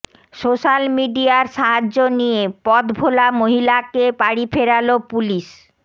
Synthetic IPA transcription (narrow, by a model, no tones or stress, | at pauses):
soʃalmiɖiaɾʃaɦad͡ʑːonijepɔt̪bʱolamoɦilakepaɽifʰeɾalopuliʃ